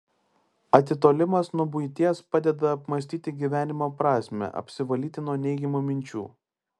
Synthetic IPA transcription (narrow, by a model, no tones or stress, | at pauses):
ɐt̪ʲɪt̪oːlʲɪmɐsnʊbʊɪt̪ʲiɛspɑːd̪ʲɛd̪ɐːpmɐsʲt̪ʲiːt̪ʲɪɡʲiːʋʲæːnʲɪmoːpɾɑːsʲmʲɛ̰ʔɐ̰pʲsʲɪʋɐlʲiːt̪ʲɪnuɔnʲɛɪɡʲɛmoːmʲɪnʲt͡ʃʲṵː